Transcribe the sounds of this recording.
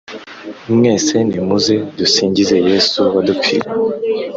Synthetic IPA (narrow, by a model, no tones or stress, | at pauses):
umŋe̞ːse̞nimuzedusiːɲɟize̞jesuwadup͡fiɾa